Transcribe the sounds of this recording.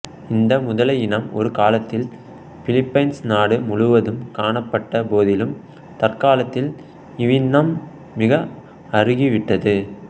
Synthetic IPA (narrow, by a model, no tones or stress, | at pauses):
ɪnd̪ɐmʊðɐlɐjɪɳɐmɔ̰ɾɯkaːlɐt̪ːɪl | fɪlɪpːɐɪnsnaːɽɯmʊɻʊʋɐðɯmkaːɳɐpːɐʈːɐpoːðɪlɯm | t̪ɐrkaːlɐt̪ːɪl | ɪʋɪnːɐmː | ɪɣɐ | ɐrɯɣiʋɪʈːɐðɯ